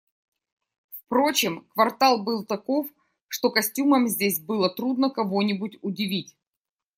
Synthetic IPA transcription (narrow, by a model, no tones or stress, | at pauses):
fpɾo̞t͡ɕɪmkvɐrt̪alˠbɨlˠt̪ɐko̞f | ʂt̪o̞kɐsʲtʲuməmzʲdʲesʲbɨlˠət̪ɾud̪nəkɐvo̞nʲɪbʊtʲʊdʲɪvʲitʲ